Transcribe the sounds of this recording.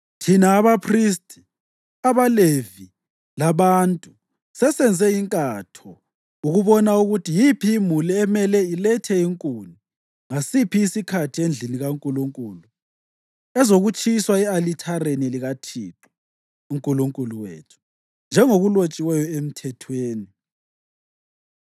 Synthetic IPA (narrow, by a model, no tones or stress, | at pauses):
tʰinaːβapʰris̬tʰʼi̥ | aβalevi | laβantʼu | sɛsɛnd͡zʱɛiŋkʼatʰɔ | uɣuβɔnauɣutijipʰiːmuliɛmɛlɛilɛtʰɛiŋkʼuni | ŋasipʰiːsikʰatʰiend͡ɮʱiniɣaŋkʼuluŋkʼuːlu | ɛzoɣut͡ʃʰʼiswaɛalitʰaɾeniliɣatʰiːǁɔ̥ | uŋkʼuluŋkʼuluwḛːtʰu̥ | nd͡ʒʱɛŋoɣulot͡ʃʼiwɛjɔem̩tʰɛtʰweːni